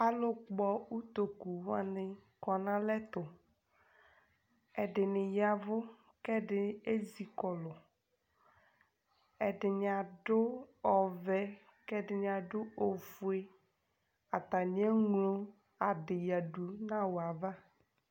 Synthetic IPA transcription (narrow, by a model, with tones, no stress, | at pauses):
a˦lʊ˦k͡pɔ˦u˦t̪o˨ku˨wa̰˦nɪ˨kɔ˨nã˦lɛ˦t̪ʊ˨ | ɛ˨ɖɪ˨nɪ˨ja˨vʊ˦ | kɛ˦ɖɪ˨e˦zi˨kɔ˨lʊ˨ | ɛ˨ɖɪ˨ɲã˨ɖʊ˦ɔ˨vɛ˦ | kɛ˦ɖɪ˨ɲ˨ã˨ɖʊ˦o˨fu˨e˦ | a˨t̪a˨ɲ˦ɛ˦ŋlo˦ | a˨ɖɪ˨ja˨ɖu˨nã˦wa˨va˦